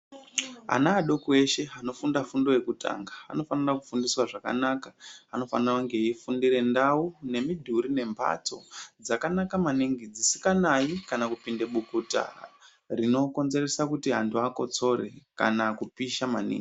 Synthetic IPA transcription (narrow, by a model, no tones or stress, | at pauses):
a̰naːɗo̞kue̞ʃe̞ano̞fundafundo̞je̞kuta̰ŋɡa̰ːno̞fanirakufundiswaʐaka̰nakaano̞fanirauŋɡe̞ifundire̞ndaune̞midʱuɾine̞mbʰʱa̰t͡so̞̰d͡zakanakamaniŋɡid͡zisi̥kanaikanakupinde̞ɓukuta̰ | rino̞ko̞nze̞resakutiɦantʰuako̞t͡so̞ɾḛka̰nakupiʃamanḭːŋɡi